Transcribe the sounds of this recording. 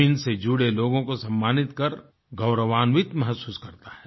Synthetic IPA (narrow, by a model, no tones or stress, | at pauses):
ɪnsed͡ʒuːɽeloːɡõkosɐ̃mːaːnɪt̪kɐɾ | ɡɐʊɾəʋaːnʋɪt̪mɐɦəsuːskɐɾt̪ḁɦɛː